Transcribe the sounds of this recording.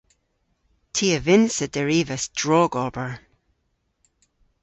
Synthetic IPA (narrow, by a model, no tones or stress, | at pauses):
tʰiːəvɪnsədəɹiːvəsd̥ɹɔːɡɔb̥əɹ